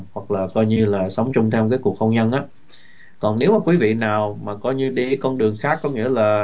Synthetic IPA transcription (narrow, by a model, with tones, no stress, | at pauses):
hwa˨˩k̚laː˨˩kɔ˧jɲɨ˧laː˨˩sə˨˦wŋ͡mt͡ɕʊ˧ŋ͡mt̪ʰɛ˧wk̬aː˨˦jku˨˩ək̚xwŋ͡mɲə˧nʔaː˨˦ | kɔ˨˩nne˨˦wmaː˨˩kwi˨˦vḭ˧˨naː˨˩wmaː˨˩kɔ˨˧jɲɨ˧ɗi˧˩kɔ˧nɗɨ˨˩əŋxaː˦˥kːɔ˨˦ŋḭ˧˥əlaː˨˩